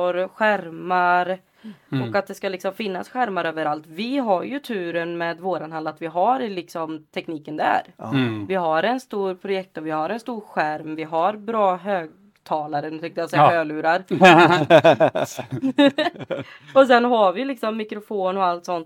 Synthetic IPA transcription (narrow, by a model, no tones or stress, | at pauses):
ɔɾɧæɾmaɾ | ɔkat̪̚d̪ɛskalɪksɔmfɪnːasɧæɾmaɾøːvəɾalt̪vɪɦaɾjɵt̪ʰʉ̟ːɾənmɛːd̪voːɾanhand̪at̪vɪɦaɾlɪksɔmt̪ʰɛkniːkənd̪ɛæ̰ɾvɪɦaɾɛnst̪uːɾpʰɾʊjɛk̚t̪ɔvɪhaɾɛnst̪uːɾɧæɾmvɪɦaɾbɾɑːɦøːɡ | t̪ʰɑːlaɾənʉt̪ɛŋt̪əjasɛjahøːɡlʉ̟ːɾaɾ | ɔsɛnɦaɾvɪlɪksɔmːɪkɾʊfoːnɔalt̪sɔnt̪